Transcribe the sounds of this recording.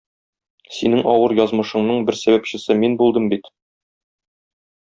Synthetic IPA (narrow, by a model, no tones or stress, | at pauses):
sinɘŋɒwɤɾjɒzmɤ̆ʃɤ̆ɴnɤɴbɘɾsæβæpɕɘ̆sɘminbulˠd̪ɤmbit̪